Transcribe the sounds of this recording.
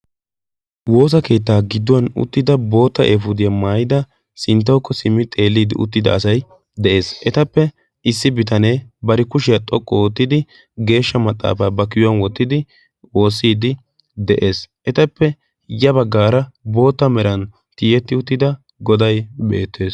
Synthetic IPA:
wo̞ːs̬ɐke̞ːt̪ːaːɡɪd̪ːʊɐnʊ̰t̪ːɪd̪ɐbo̞ːt̪ːɐʔeːfʊd̪ɪjɐmaːjɪd̪ɐ | sɪnt̪̬ːɐwkːɔsɪmːɪt̪ʼe̞ːlːiːd̪ɪʔʊ̰t̪ːɪd̪ɐ̰ːsɐj | d̪ɛʔe̞ːsʔɛt̪ɐpːɛ | ɪsːɪbɪt̪ɐneːbɐɾɪkʊʃɪjɐt̪ʼɔkʼːɔɔt̪ːɪd̪ɪ | ɡe̞ːʃːɐmɐt̪ʼːa̰ːfaːbɐkɪjʊɐnwɔt̪ːɪd̪ɪ | wo̞ːsːiːd̪ɪ | d̪ɛʔe̞ːsʔɛt̪ɐpːɛ | jɐbɐɡːaːɾɐbo̞ːt̪ːɐmɛɾɐn | t̪iːjɛt̪ːɪʊt̪ːɪd̪ɐ | ɡɔd̪ɐjbe̞̰ːt̪ʰːe̞ːs

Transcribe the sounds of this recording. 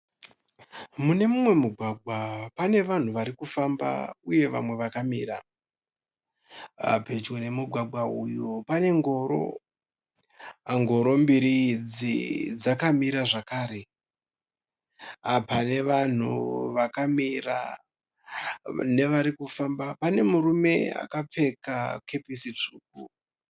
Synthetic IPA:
mune̞mumwe̞muɡʱwaɡʱwapane̞ʋan̤uʋaɾikufamba̰uje̞ʋa̰mwe̞ʋakamiːɾa̰ | ped͡ʒene̞muɡʱwaɡʱwaujopane̞ŋɡo̞ːɾo̞̰ | ŋɡo̞ɾo̞mbiɾid͡zḭd͡zakamiɾaʐakaːɾe̞ | apane̞ʋan̤uʋakamira̰ | ne̞ʋaɾikufambapane̞muɾume̞a̰kap͡fe̞kakʰe̞pisit͡ʂuːk̚u

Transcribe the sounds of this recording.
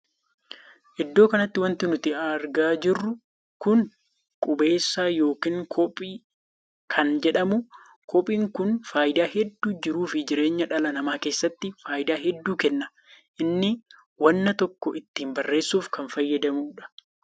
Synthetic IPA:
ʔɪd̪ːo̞ːkɐnɐt̪ːɪwɐnt̪ɪnʊt̪ɪɐɾɡaːd͡ʒɪrːʊ | kʊn | kʼʊbe̞ːsːaːjo̞ːkiːŋkʰɔpʼiː | kʰɐnd͡ʒɛᶑɐmʊ | kʰɔpʼiːŋkʊnfaːjɪd̪aːɦɛd̪ːuːd͡ʒɪɾuːfɪd͡ʒɪɾe̞ːɲːɐᶑɐlɐnɐmaːke̞ːsːɐt̪ːɪfaːjɪd̪aːɦɛd̪ːuːkɛnːɐ | ʔɪnːɪ | wɐnːɐt̪ɔkːɔʔɪt̪ːiːmbɐrːe̞ːsːuːfkɐnfɐjːɐd̪ɐmuːᶑɐ̥

